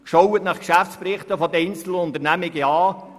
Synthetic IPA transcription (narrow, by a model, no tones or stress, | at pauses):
kʃowət̪nɑχkʃæftt͡sprɪχt̪əfɔd̥̪əɛjnt͡sl̩əʊnt̪əɾrnæmɪɡəɑː